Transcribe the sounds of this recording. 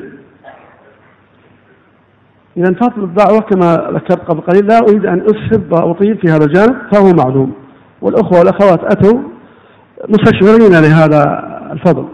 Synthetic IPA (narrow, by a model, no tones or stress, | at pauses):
ʔɪðant̪ɑt̪ˤlɨb̪ðʊʕwakamaða̰kːɑɾˤt̪̚qɑblqɑliːlːaʔʊɾiːd̪ʔanʔʊshɪbaʔt̪ˤiːlfihaːðald͡ʒaːnɪb̚fahʊwmaʕluːm | wɪlʔʊxwawɪlʔaxawaːt̪ʔat̪aw | mʊst̪aʃɾɪɾiːnalɪɦaːða̰lfɑðˤl